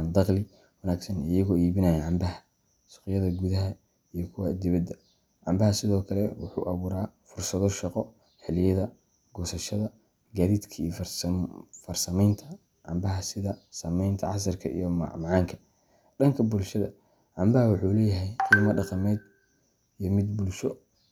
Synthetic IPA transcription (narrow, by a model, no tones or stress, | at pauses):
nd̪ɑqlɪ | wɐnaːɡsɐnɪjɐɣɔːiːβɪnɐjɐʕɑmbɐɦɐ | sʊ̥qɪjɐðɐɡuðɐɦɐ | ijɔkʰʊwad̪ɪβɐd̪ɐ | ʕɑmbɐɦɐsɪðɔːkʰɐlɛwʊħṵːʔɐβuːɾaːfʊrsɐðɔʃɑqɔ | ħɛlɪjɐðɐ | ɡ̥ɔːsɐʃɐðɐ | ɡaːðiːd̪kʰɐijf | fɐrsɐmɛjnt̪ʰɐ | ʕɑ̰mbɐɦɐsɪðɐsɐmɛjnt̪ʰɐʕɑs̬ɐrkʰɐ̰ḭjɔm̰mɑʕɑːŋkʰɐ̥ | ɖɐŋkʰɐbʊlʃɐðɐ̰ | ʕɑmbɐɦɐwʊħuːlɛːjɐɦɛjqʰiːmɐɖɑqɑmɛːd̪ | ijɔmɪd̪bʊlʃɔ